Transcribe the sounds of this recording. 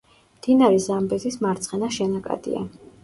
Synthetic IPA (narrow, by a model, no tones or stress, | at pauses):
md̪̥inaɾɛzambɛzismaɾt̪sʼχɛnaʃɛnakʼa̰d̪̥ḭa̰